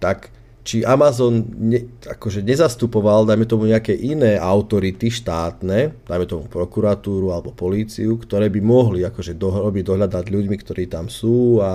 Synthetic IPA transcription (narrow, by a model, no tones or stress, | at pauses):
t̪ak | t͡ʃiʔamazɔnɲɛa̰kɔʒɛɲɛzast̪upɔʋald̪ajmɛt̪ɔmuɲɛakɛːʔinɛːʔaʊt̪ɔɾit̪iʃt̪aːt̪nɛːd̪̥ajmɛt̪ɔmupɾɔkuɾat̪uːɾualɛbɔpɔliːt͡siukt̪ɔɾɛːbimɔɦliakɔʒɛd̪ɔɦɾɔbiɟd̪ɔɦʎad̪nad̪ʎuɟmikt̪ɔɾiːt̪amsuːa